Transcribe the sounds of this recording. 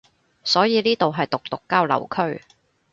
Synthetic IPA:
sɔː˨˥jiː˨liː˥t̪o˨wɦɐ˨jt̪ʊ˨k̚t̪ʊ˨kːaː˥wlɐ̰˨˩wkʰɵ˥ɥ

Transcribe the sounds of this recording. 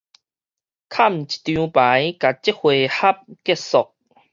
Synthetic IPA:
kʰa˥˧˨m̩˨t͡ɕi̥˨t̪jũ˧pa˨˦jka˨t͡ɕi˦˥hwe˨˩ha˦p̚kɛ˥t̚sɔ˨k̚

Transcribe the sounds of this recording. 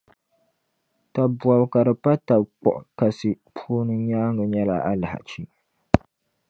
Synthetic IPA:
ta˨bwa˨bka˨ɾɨ˨pa˦ta˨bk͡pɔ̰˨ʔka˨sɨ˨ | pʰuː˦nɨ˨ɲaː˦ŋɡɨ˨ɲɛ˦la̰˨a˦la˨ha̰˨t͡ʃi˦

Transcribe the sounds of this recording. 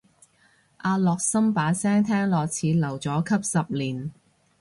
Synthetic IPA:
ʔaː˧lɔː˨k̚sɐ˥mpaː˨˥sɛː˥ŋt̪ʰɛː˥ŋlɔː˨k̚t͡sʰiː˨˥lɐ˨˩wt͡sɔː˨˥kʰɐ˥p̚sɐ˨p̚liː˨˩n

